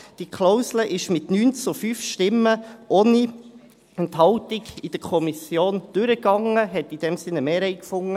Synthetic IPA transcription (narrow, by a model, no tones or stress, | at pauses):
d̥ikʰlɔwsləʔɪʃmɪtnyːnt͡sufyːfʃtɪmːəʔoːni | ɛntɦɑltɪɡid̥əkʰɔmisjoːnd̥ʉɾəɡɑŋəɦɛtid̥ɛmsɪnəmeːɾɛɪkfʊŋːə